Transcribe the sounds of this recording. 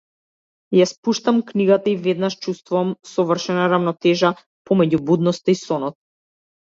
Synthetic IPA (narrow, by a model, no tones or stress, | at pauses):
jaspuʃt̪amkniɡat̪aivɛd̪naʃt͡ʃust̪vuvamsɔvr̩ʃɛnaɾavnɔt̪ɛʒa | pɔmɛɟubud̪nɔst̪aisɔnɔt̪̚